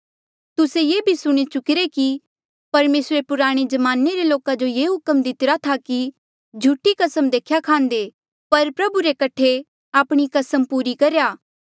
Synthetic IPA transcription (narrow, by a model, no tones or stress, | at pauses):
t̪ʊsejeːbʱisʊɽ̃it͡ʃʊkɪɾeki | pɐɾmeːsɾepʊɾaːɽ̃id͡ʒɐmaːneɾeloːkad͡ʒojeːɦʊkəmd̪ɪt̪ɪɾat̪ʰaki | d͡ʒʱuːʈikɐsəmd̪eːkʰjakʰãːnd̪e | pɐɾpɾɐbuɾekɐʈʰːe | aːpɽ̃ikɐsəmpuːɾikɐɾjaː